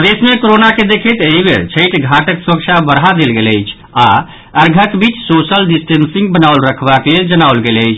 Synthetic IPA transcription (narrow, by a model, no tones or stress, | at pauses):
pəd̪esmekoɾonaked̪ekʰət̪eibeɾt͡ʃʰəjʈɡʱaʈəksuɾək̚t͡ʃʰabəɾɦad̪elɡeləɪt͡ʃʰ | a | əɾɡʱəkbit͡ʃsosəlɖisʈensĩŋɡ̚bənawlɾəkʰbakleld͡ʒənaʊlɡeləɪt͡ʃʰ